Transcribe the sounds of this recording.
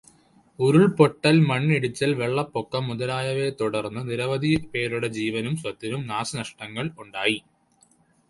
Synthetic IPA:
uɾuɭpoʈːɐlmɐɳːiɽut͡ɕːɐlʋeɭːɐpːokːɐmːuðɐlaːjɐʋet̪uɽɐrnːɨniɾɐʋɐd̪ʱipe̞ːɾuɽe̞d͡ʑiːʋɐnumswɐt̪ːɐnumnaːsɐnɐʂʈɐŋːɐɭuɳɖaːji

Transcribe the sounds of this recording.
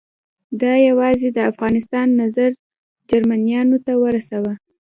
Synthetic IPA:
d̪ɑjawɑzed̪əafɣɑnɪst̪ɑnːazaɾ | d͡ʒaɾmanijɑnot̪awəɾasawə

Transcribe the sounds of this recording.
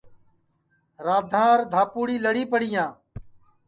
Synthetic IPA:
ɾaːd̪ʱãːəɾd̪ʱaːpuːɽiːləɽiːpəɽɪjãː

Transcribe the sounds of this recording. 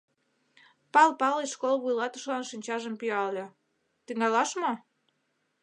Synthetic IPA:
pɑlpɑleʃkolβujlɑt̪ə̆ʃlɑnʃinʲt͡ɕɑʒəmpyɑle | t̪yŋɑlɑʃmo

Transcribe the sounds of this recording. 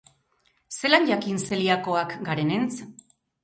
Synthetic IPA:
se̞laɲʎakinse̞liako̞akɡaɾe̞ne̞nt͡s

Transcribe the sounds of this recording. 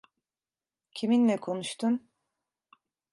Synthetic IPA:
cʰiminlɛkʰo̞nuʃt̪ʰum

